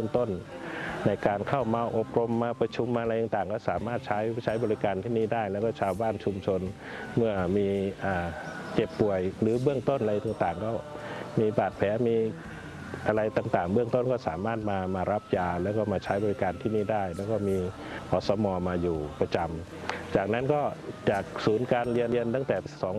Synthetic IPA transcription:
ɯ˥˩əŋt̪o˥˩n | na˧jkaː˧nkʰa˥˩wmaː˧ʔo˨˩p̚ɾo˧mːaː˧pɾa˧t͡ɕʰu˧mːaː˧ɾa˧jt̪aː˨˧ŋt̪aː˨˩ŋkɔː˥˩saː˩˦maː˥˩t̪̚t͡ɕʰa˦˥jt͡ɕʰa˦˥jbɔː˧ɾi˦kaː˧nt̪ʰiː˥˩niː˥˩daː˥˩jlɛː˦˥wkɔː˥˩t͡ɕʰaː˧wbaː˥˩nt͡ɕʰu˧mt͡ɕʰo˧n | mɯ˥˩əmiː˧ʔaː˨˩ | ke˨˩pːu˨˩əjlɯː˩˦bɯ˥˩əŋt̪o˥˩nʔa˧ɾa˧jt̪aː˨˩ŋt̪aː˨˩ŋkɔː˥˩miː˧baː˨˩t̪̚pʰɛː˩˦miː˧ | ʔa˧ɾa˧jt̪aː˨˩ŋt̪aː˨˩ŋbɯ˥˩əŋt̪o˥˩nkɔː˥˩saː˩˦maː˥˩t̪̚maː˧maː˧ɾa˦˥p̚jaː˧lɛː˦˥wkɔː˥˩maː˧t͡ɕʰa˦˥jbɔː˧ɾi˦˥kaː˧nt̪ʰiː˥˩niː˥˩daː˥˩jlɛː˦˥wkɔː˥˩miː˧ | kʰɔː˨˩sɔː˨˦mɔː˧maː˧juː˨˩pɾa˧t͡ɕa˧m | t͡ɕaː˨˩k̚na˦˥nkɔː˥˩t͡ɕaː˨˩k̚suː˩˦nkaː˧nɾi˧əni˧ənt̪a˥˩ŋt̪ɛː˨˩sɔː˩˦

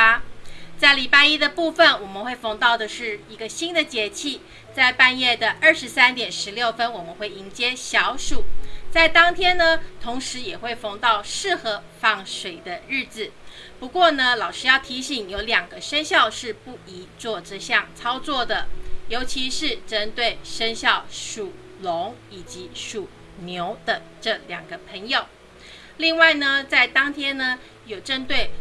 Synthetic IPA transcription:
t͡sa˥˩ɪli˨˩pa˥˧ɪi˥d̪ə˨pu˥˩fə˨˩nwɔ˨˩mə˦nwe˥˩ɪfɑ˧˥ŋt̪ɑ˥˩ʊd̪ə˩ʂɻ̩˥˩i˧˥ɡə˧ɕi˥nd̪ə˨t͡ɕjɛ˧˥t͡ɕʰi˥˧ | t͡sa˥˧ɪpa˥˧njɛ˥˩d̪ə˩ʔə˞˥˩ʂɻ̩˧˥sa˥nt̪jɛ˨˩nʂɻ̩˧˥ljo˥˩ʊfə˥nwɔ˨˩mə˦nxwe˥˩ɪi˧˥ŋt͡ɕjɛ˥ɕjɑ˧˥ʊʂu˨˩˦t͡sa˥˩ɪt̪ɑ˥ŋt̪ʰjɛ˥nnə˨t̪ʰʊ˧˥ŋʂɻ̩˧˥jɛ˨˩xwe˥˩ɪfɑ˧˥ŋt̪ɑ˥˧ʊʂɻ̩˥˩xɤ˧˥ | fɑ˥˩ŋʂwe˨˩ɪd̪ə˦ɻɻ̩˥˩t͡sɹ̩˨˩pu˧˥kwɔ˥˩nə˧lɑ˨˩ʊʂɻ̩˧˥jɑ˥˩ʊt̪ʰi˧˥ɕi˨˩˦ŋjo˧˥ʊljɑ˨˩ŋɡə˦ʂə˥nɕjɑ˥˧ʊʂɻ̩˥˧pu˥˩i˧˥t͡swɔ˥˩ʈ͡ʂ̩˥ɕjɑ˥˨ŋt͡sʰɑ˥ʊt͡swɔ˥˩d̪ə˩jo˧˥ʊt͡ɕʰi˧˥ʂɻ̩˥˩ʈ͡ʂə˦˥nt̪we˥˩ɪʂə˥nɕjɑ˥˩ʊʂu˨˩ | lo˧˦˥ŋi˨˩t͡ɕi˧˥ʂu˨˩ | njo˧˥ʊd̪̥ə˧˦ | ʈ͡ʂɤ˥˩ljɑ˨˩ŋɡə˦pʰə˧˥ŋjo˨˩ʊ | li˥˧ŋwa˥˩ɪnə˩t͡sa˥˩ɪt̪ɑ˥ŋt̪ʰjɛ˥nnə˧ | jo˨˩ʊʈ͡ʂə˥nt̪we˥˩ɪ

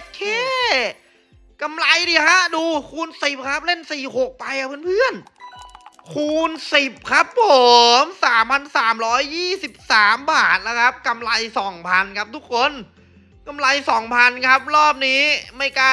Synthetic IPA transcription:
kʰeː˧˥˩ | ka˧mla˧jdiː˧˩ha˦˥duː˧kʰuː˧nsi˨˩p̚kʰa˦˥p̚le˥˩nsiː˨˩ho˨˩k̚pa˧jkʰa˦˥pʰːnpʰɯ˥˩ən | kʰuː˧nsi˨˩p̚kʰa˦˥p̚ho˨˩msaː˩˦mpʰa˧nsaː˩˦mɾɔː˦˥jːiː˥˩si˨˩p̚saː˩˦mbaː˨˩t̪̚la˦˥kʰa˦˥p̚ka˧mla˧jsɔː˩˦ŋpʰa˧nkʰa˦˥p̚t̪ʰu˦˥k̚ʰːo˧˥n | ka˧mla˧jsɔː˩˦ŋpʰa˧nkʰa˦˥p̚ɾɔː˥˩p̚niː˦˥ma˧˥˩jka˧

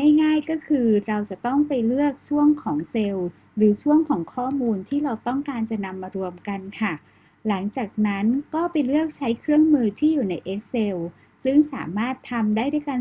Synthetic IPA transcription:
a˥˩jŋaː˥˩jkɔː˥˩kʰɯː˧ɾa˧wt͡ɕa˨˩t̪ɔ˥˩ŋpa˧jlɯ˥˩ək̚t͡ɕʰu˥˩əŋkʰɔː˩˦ŋse˧w | ɾɯː˩˦t͡ɕʰu˥˩əŋkʰɔː˩˦ŋkʰɔː˥˩muː˧nt̪ʰiː˥˩ɾa˧wt̪ɔ˥˩ŋkaː˧nt͡ɕa˨˩na˧mːaː˧ɾu˧əmka˧nkʰa˥˩ | la˩˦ŋt͡ɕaː˨˩k̚na˦˥nkɔː˥˩pa˧jlɯ˥˩ək̚t͡ɕʰa˦˥jkʰɾɯ˥˩əŋmɯː˧t̪ʰiː˥˩juː˨˩na˧jʔe˦˥k̚se˧w | sɯ˥˩ŋsa̰ː˩˦maː˥˩t̪ʰːa˧mdaː˥˩jdu˥˩jka˧

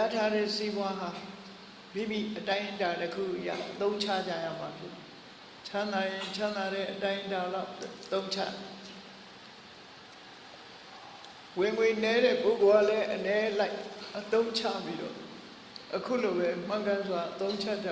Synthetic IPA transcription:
ja˦tʰa˦ɾɛ̰˦˨si˦bwa˦ɦa˨ | bi˦˨bi˨ʔətã˦ɪ̃ʔəta˨təkʰṵ˦˨ʔəja̰˦˨ʔət̪õ˦ʊ̃ɲt͡ɕʰa̰˦˨d͡ʑa˦˨ja̰˦˨ma˨pʰjɪ˦t̪i˨ | t͡ɕʰã˦nd̪a˨jɪ̃˨t͡ɕʰã˦nd̪a˨ɾɛ̰˦˨ʔətã˦ɪ̃ʔəta˨la˦ʊʔt̪õ˦ʊ̃ɲt͡ɕʰa̰˦˨d | wɪ̃˨ŋwe˨nɛ˦ɾɛ̰˦˨po˦˨ɡo˨ɡa˦˨lɛ˦ʔənɛ˦la˦ɪʔʔət̪õ˦ʊ̃ɲt͡ɕʰä̰˦˨pi˦ɾɔ̰˦˨ | ʔəkʰṵ˦˨lo˨bɛ˨m̥ã˦˨ʊ̃ntã˦nzwa˨ʔət̪õ˦ʊ̃ɲt͡ɕʰa˦˨tːɛ˦

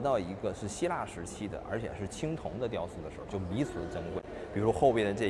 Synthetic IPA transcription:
t̪ɑ˥˩ʊi˧˥ɡə˧ʂɻ̩˥˩ɕi˥la˥˩ʂɻ̩˧˥t͡ɕʰi˥d̪ə̰˨ʔə̰˞˧˥t͡ɕʰjɛ̰˨˩ʂɻ̩˥˩t͡ɕʰi˥ŋt̪ʰʊ˧˥ŋd̪ə˧t̪̬jɑ˥˧ʊsu˥˩d̪ə˩ʂɻ̩˧˥˧t͡ɕjo˥˩ʊpi˧˥t͡sʰɹ̩˨˧˥ʈ͡ʂɤ˥ŋkwe˥˩ɪ | pi˨˩u˥xo˥˧ʊpjɛ˥˩d̪ə˩ʈ͡ʂɤ˥˩

